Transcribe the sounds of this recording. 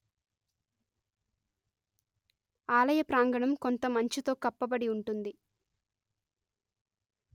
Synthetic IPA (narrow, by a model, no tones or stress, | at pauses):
aːlɐjɐpɾaːŋɡɐɳɐmko̞nt̪ɐmɐɲt͡ʃit̪o̞ːkɐpːɐbɐɽiuɳʈund̪i